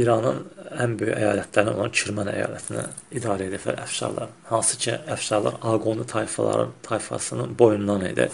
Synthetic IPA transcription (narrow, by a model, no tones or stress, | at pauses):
iɾɑnɯnænbøjy̰ʔæjɑːlæt̪ʰlæɾino̞̰lˠɑnt͡ʃʰyɾmɑnæ̰jɑ̰ːlæt̪ʰinæ̰id̪ɑːɾɛed̪æflæ̰ɾæ̰fʃɑ̰ɾlˠɑ̰ɾhɑnsɯcʰiæfʃɑɾlˠɑ̰ɾɑɡond̪it̪ʰɑjfɑlˠɑ̰ɾɯ̰t̪ʰɑjfɑ̰sɯnɯnbo̞junlɑnḭd̪ḭ